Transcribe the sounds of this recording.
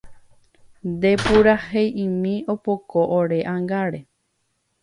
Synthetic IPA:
nd̪e̞puɾahejĩmĩopokoʔoɾeʔãŋɡaɾe̞

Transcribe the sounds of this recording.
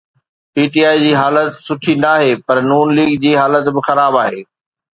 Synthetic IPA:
piːʈiaːid͡ʑiːɦaːlət̪sʊʈʰĩːn̆d̪aːɦeːpɐɾnuːnliːɡd͡ʑiːɦaːlət̪bɪxɐɾaːbaːɦeː

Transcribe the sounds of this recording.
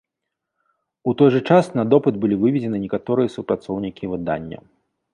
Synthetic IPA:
ut̪ɔjʐɨt͡ʂasnɐd̪ɔpɨd̪̚bɨlʲivɨvʲɛd͡zʲɛnɨnʲɛkat̪ɔɾɨjɐsupɾat̪sɔwnʲikʲivɨd̪a̰nʲːɐ̰

